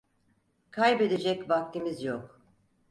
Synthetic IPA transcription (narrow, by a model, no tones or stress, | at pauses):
kʰajbe̞d̪ed͡ʒɛcvak̚t̪ʰimizjok